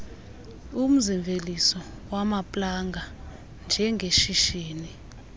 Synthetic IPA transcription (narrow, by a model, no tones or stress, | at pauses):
um̩ziɱvʱelisɔ | wamapʼlaŋɡʱa | nd͡ʒʱɛŋɡʱeʃiʃiːni